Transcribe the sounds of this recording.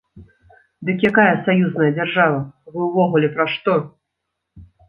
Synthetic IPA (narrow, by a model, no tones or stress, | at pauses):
d̪ɨkjakajɐsajuznɐjɐd͡zʲarʐavɐvɨwvɔɣulʲɛpɾɐʂt̪ɔ